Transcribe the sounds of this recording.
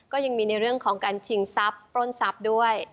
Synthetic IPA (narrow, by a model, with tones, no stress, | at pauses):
kɔː˥˩ja˧ŋmiː˧na˧jɾɯ˥˩əŋkʰɔː˩˦ŋkaː˧nt͡ɕʰi˨˧˩ŋsa˦˥pːɾoː˥˩nsa˦˥p̚du˥˩əj